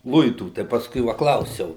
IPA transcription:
ˈlˠʊɪtuː tɐɪ pɐsˈkʊɪ ˈʋɐ ˈklˠɐʊsʲɛʊ

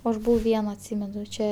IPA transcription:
ˈɐʃ ˈbʊʋɐʊ ˈʋʲiɛnɐ ɐtʲˈsʲiːmʲɛnʊ ˈt͡ʃʲɛ

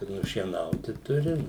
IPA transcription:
ɪ nʊʃʲiɛˈnɐʊtʲɪ ˈtʊrʲɪ

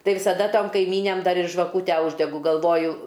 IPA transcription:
ˈtɐɪ ʋʲɪsɐˈdɐ ˈtoːm kɐɪˈmʲiːnʲæm ˈdɐr ɪr ʒʋɐˈkuːtʲæː ˈuːʒʲdʲɛɡʊ ɡɐlˠˈʋoːjʊ

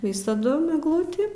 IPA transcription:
ˈʋʲɪsɐdʊm ɛɡˈlˠʊtʲiː

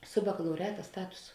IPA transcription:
sʊ bɐkɐlˠɐʊˈrʲæːtɐ ˈstɑːtʊsʊ

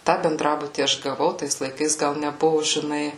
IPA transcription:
ˈtɑː bʲɛnˈdrɑːbʊtʲiː ˈɐʃ ɡɐˈʋɐʊ ˈtɐɪs lˠɐɪˈkɐɪs ˈɡɐlˠ nʲɛˈbʊʋʊ ʒʲɪˈnɐɪ

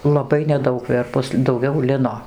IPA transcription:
lˠɐˈbɐɪ nʲɛˈdɐʊk ˈʋʲɛrpʊs dɐʊˈɡʲɛʊ ˈlʲɪnoː

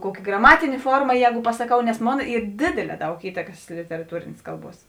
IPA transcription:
ˈkuɔkʲɪ ɡrɐˈmɑːtʲɪnʲeː ˈfoːrmɐ ˈjɛːɡʊ pɐsɐˈkɐʊ nʲɛs ˈmoːn ˈiːr ˈdʲeːdʲeːˌlʲɛː ˈdɐʊk ˈiːtɐkɐs lʲɪtʲɛrɐˈtuːrʲeːnʲeːs ˈkɐlˠˌbuɔs

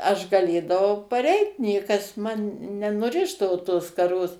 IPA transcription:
ˈɐʃ ɡɐˈlʲeːdɐʋɐʊ pɐˈrʲɛɪt ˈnʲiɛkɐs ˈmɐn nʲɛnʊˈrʲɪʒdɐʋoː toːs skɐˈroːs

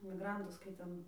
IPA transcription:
mʲɪˈɡrɐntʊs kɐɪ ˈtʲɛn

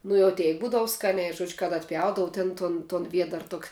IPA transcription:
ˈnʊ jɛʊ ˈtʲɛɪk ˈbuːdɐʋʊ ˈskɑːnʲɛɪ ˈʒuɔd͡ʒʲʊ kɐt ɐtʲˈpʲjɛʊdɐʋʊ tʲɛn ˈtoːn toːn ˈʋʲiɛdɐr ˈtoːkʲ

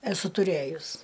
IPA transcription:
ɛˈsʊ tʊˈrʲeːjʊs

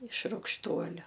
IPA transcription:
ɪʃ rʊkʃˈtuɔlʲʊ

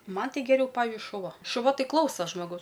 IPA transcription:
ˈmɐn ˈtɐɪ ɡʲɛˈrʲɛʊ ˈpɑːʋʲɪʒʲʊɪ ʃʊˈʋɐ ʃʊˈʋɐ ˈtɐɪ ˈklˠɐʊsɐ ʒmoːˈɡɐʊs

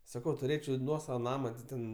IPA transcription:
sɐˈkɐʊ tʊˈrʲeːt͡ʃʲɛʊ ˈnuɔsɐʋɐ ˈnɑːmɐ tʲɪ ˈtʲɛn

